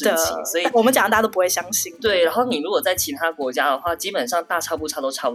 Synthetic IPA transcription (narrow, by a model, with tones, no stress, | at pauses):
ə˩t͡ɕʰi˧˥ŋswɔ˧˥i˨˩wɔ˨˩mə˦t͡ɕɑ˨˩ŋ˨˥t̪a˥˧˩t̪o˥p̬u˥xwe˥˩ɪɕjɑ˥ŋɕi˥˩ŋt̪we˥˩ɪɻa˧˥nxo˥˩ʊni˨˩ɻu˧˥kwɔ˨˩t͡sa˥˩ɪt͡ɕʰi˧˥t̪ʰa˥kwɔ˧˥t͡ɕja˥d̪ə˨˩xwa˥˩t͡ɕi˥pə˨˩nʂɑ˥˧ŋt̪a˥˧ʈ͡ʂʰɑ˥pu˥˧˩ʈ͡ʂʰa˥˩t̪o˥ʊʈ͡ʂʰɑ˥˩